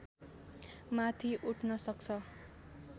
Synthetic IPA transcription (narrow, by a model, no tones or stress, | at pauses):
mat̪ʰiʔuʈʰnʌsʌk̚t͡sʰʌ